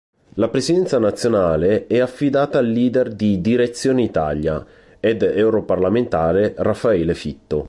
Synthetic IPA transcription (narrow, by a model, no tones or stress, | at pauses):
lapɾesid̪ɛnt̪sanat̪sːjonaːleɛafːid̪aːt̪aːlːiːd̪erd̪id̪iɾet̪sːjoːneit̪a̰lja̰ | ɛd̪ɛwɾoparlament̪aːɾerafːaɛːlefit̪ːo